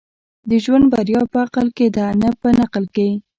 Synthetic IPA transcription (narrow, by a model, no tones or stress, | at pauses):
d̪əʒwand̪̚baɾjɑpəaqəlked̪əanapənaqəlke